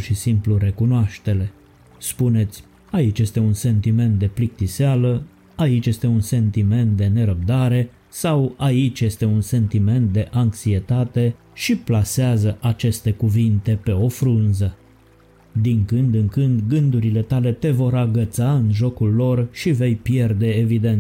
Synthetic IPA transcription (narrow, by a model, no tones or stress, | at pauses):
rʃisimpluɾe̞kunoaʃt̪e̞le̞ | spune̞t̪sʲ | ait͡ʃʲje̞st̪e̞unse̞nt̪ime̞nt̪̚d̪e̞plik̚t̪isealə | ait͡ʃʲje̞st̪e̞unse̞nt̪ime̞nt̪̚d̪e̞ne̞ɾəb̚d̪aɾe̞ | sawait͡ʃʲje̞st̪e̞unse̞nt̪ime̞nt̪̚d̪e̞ʔaŋksie̞t̪at̪e̞ | ʃiplaseazəʔat͡ʃe̞st̪e̞kuvint̪e̞pe̞o̞fɾɨnzə | d̪iŋkɨnd̪ɨŋkɨnd̪ɡɨnd̪uɾile̞t̪ale̞t̪e̞vo̞ɾaɡət̪saɨnʒo̞kulːo̞rʃive̞jpje̞rd̪e̞ːvid̪e̞nt̪